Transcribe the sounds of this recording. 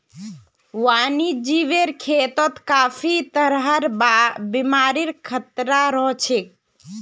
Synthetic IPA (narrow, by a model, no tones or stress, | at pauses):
wanid͡ʒiʋeɾkʰet̪ət̪kafʰit̪əɾɦəɾbabimaɾiɾkʰət̪ɾaɾɔɦt͡ʃʰek